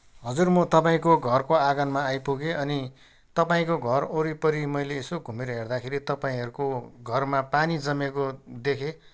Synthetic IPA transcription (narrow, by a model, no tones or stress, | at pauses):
ɦʌd͡zurmʌt̪ʌpaĩkoɡʱʌrkoaɡʌnmaːjpuɡeʌni | t̪ʌpaĩkoɡʱʌroɾipʌɾimʌjleːsoɡʱumeɾʌɦerd̪akʰeɾit̪ʌpaĩɦʌɾukoɡʱʌrmapanid͡zʌmekod̪ekʰe